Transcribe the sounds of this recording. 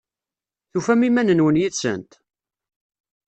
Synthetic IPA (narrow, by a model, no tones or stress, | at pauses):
θufæmimænənwənjiθsə̰nt̪